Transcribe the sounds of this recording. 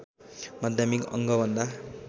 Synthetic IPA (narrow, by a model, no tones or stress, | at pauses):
mad̪ʱjamikʌ̰ŋɡʌbʱʌnd̪a